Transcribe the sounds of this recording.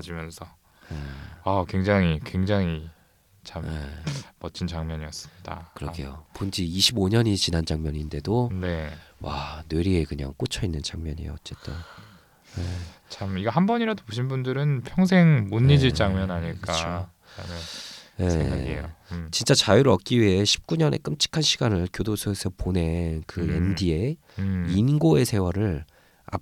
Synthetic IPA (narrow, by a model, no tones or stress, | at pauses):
ad͡ʑimjʌnsʰʌ | eakwe̞ŋd͡ʑaŋikwe̞ŋd͡ʑaŋi | t͡ɕʰamemʌt͡ɕ͈ʰint͡ɕaŋmjʌɲiʌs͈ɯ̥mɲida̰kɯɾʌɡʰḛjopond͡ʑiiɕʰiboɲʌɲit͡ɕinand͡ʑaŋmjʌɲinde̞done̞wanɯɾiekɯɲa̰ŋk͈ot͡ɕʰʌinːɯnt͡ɕaŋmʲjʌɲḭjo̰ʌt͡ɕ͈e̞t͈o | net͡ɕʰamiɡʌhambʌɲiɾadoboɕ̬ʰinbundɯɾɯnpʰjʌŋs̬ʰeŋmuɲːid͡ʑiɭt͡ɕ͈aŋmjʌnaɲiɭk͈ao | neje̞̰ | t͡ɕint͡ɕ͈at͡ɕajuɾɯʌk̚k͈iɥiɦe̞ɕʰi̥p̚k͈uɲʌnʔe̞̰k͈ɯmt͡ɕʰi̥kʰanɕʰiɡanɯɭkjodosʰoesʰʌpone̞nkɯḛndie̞ | inɡoe̞sʰe̞waɾɯɭ | a̰